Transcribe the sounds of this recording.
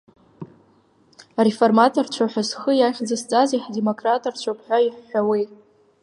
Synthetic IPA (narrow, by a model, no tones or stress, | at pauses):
areformatʰort͡ʃʷʰaħʷᶣasχəjaχʲd͡zast͡sʼaziħdemokʰʼratʼart͡ʃʷʰapʰħᶣʷaiħːawi